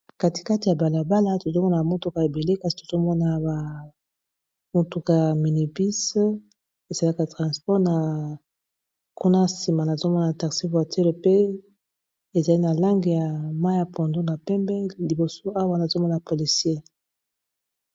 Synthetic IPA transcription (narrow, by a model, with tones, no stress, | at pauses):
ka˦ti̥˨ka˦ti˨ja˨ba˨la˨ba˦la˦to˨zo˦mɔ˦na˨a˨mo˦tu˨ka˨e˨be˨le˦ka˦zi˦to̥˨z̥o˦mɔ˦na˨ba˨ | mo˦tu˨ka˨ja˨mi˨ni˨pi˦s | e˨za˨la˦ka˨tʁã˨spɔ˦ʁna˨ | ku˦na˦si˨ma˨na˨zo˦mɔ˦na˨ta˨ksi˦vwa˨tʰe˦lo˨pe˦ | e˨za˨li˦na˨la˦ŋɡi˨ja˨ma˦a˨po˨ndo˦na˨pɛ˦mbɛ˦li˨bo˨so˦a˦wa˦na˨zo˦mɔ˦na˨po˨li˨sje˦